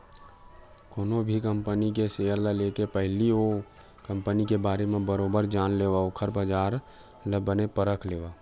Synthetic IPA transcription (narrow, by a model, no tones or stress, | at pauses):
koːnobʱikəmpənikesejəɾlaleːkepəɦɪlio | kə̃mpənikebaːɾemẽbəɾoːbəɾd͡ʒaːnleːʋaokʰəɾbəd͡ʒaːɾ | ləbənepəɾəkʰleːʋa